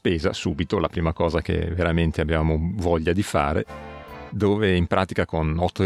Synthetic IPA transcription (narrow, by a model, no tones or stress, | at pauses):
speːza̰suːbit̪olapɾiːmakɔːzakḛveɾament̪eabːjaːmovɔʎːad̪ifa̰ːɾḛ | d̪oːveimpɾʔaːt̪ikakonɔt̪ʰːo